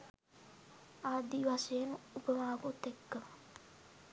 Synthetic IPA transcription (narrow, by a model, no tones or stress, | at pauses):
aːd̪iʋasejənupəmaːkut̪ekːə